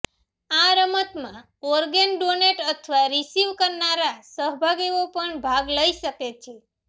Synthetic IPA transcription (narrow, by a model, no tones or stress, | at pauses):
aɾəmət̪mã | ɔɾɡenɖoneʈət̪ʰʋaɾisiʋkəɾnaɾasəɦbʱaɡeʋopəɳbʱaɡləiʃəket͡ʃʰe